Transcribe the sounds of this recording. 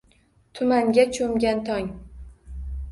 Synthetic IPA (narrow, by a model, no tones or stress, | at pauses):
t̪ʰʊmaŋɡʲat͡ʃʰomɡʲant̪ʰɒŋ